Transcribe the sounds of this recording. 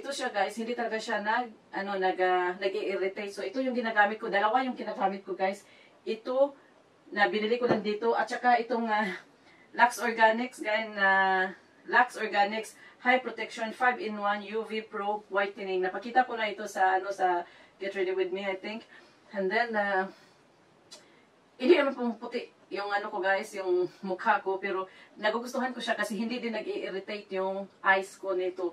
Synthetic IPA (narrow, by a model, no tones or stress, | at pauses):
ʔɪt̪oʃaɡajshɪ̃nd̪it̪ɐlɐɡaʃanɐɡ̚ʔɐnonɐɡanɐɡɛʔɪɾɪt̪ejsoʔɪt̪ojʊŋɡɪnaɡaːmɪt̪̚kod̪ɐlɐwajʊŋɡɪnaɡaːmɪt̪̚koɡajs | ʔɪt̪o | nɐbɪnɪlikolaŋd̪iːt̪oʔɐt̪̚t͡ʃɐkaʔɪt̪oŋa | laksoɹɡanɪksɡajɪnna | laksoɹɡanɪkshajpɹot̪ɛkʃonfajvɪnwanjuvipɹowajt̪ɪnɪŋnɐpɐkiːt̪akonaʔɪt̪osɐʔɐnosɐɡ̥ɛt̪ɹɛd̪iwɪd̪̚miajθɪŋk | ɛnd̪ɛna | ʔɪnɪnɐmanpʊŋpʊt̪ɪʔ | jʊŋɐnokoɡaːʔɪsjʊŋmʊkʰhaʔkopɛɾonɐɡʊɡʊst̪ʊɦankoʃakɐsɛhɪnd̪id̪ɪnːɐɡɪʔɪɾɪt̪ejt̪jʊŋʔajskoniɪt̪o